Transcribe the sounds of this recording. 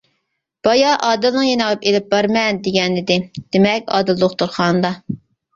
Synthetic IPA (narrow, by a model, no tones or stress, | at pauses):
b̥ɑjɑʔɑːd̪ɪlnɨŋjenəʁɑpelɪp̚bɑɾmɛnd̪eɡʲɛnɪd̪ɪd̪̥emɛkʲɑ̰ːd̪ɪlˠoχt̪uɾχɑnd̪ɑ